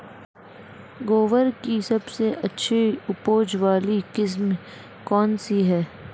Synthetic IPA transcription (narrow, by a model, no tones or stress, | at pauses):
ɡoːʋəɾkisɐbseʔɐtːʃʰiʊpoːd͡ʒʋaːlikɪs̬m | kɔːnsiɦɛː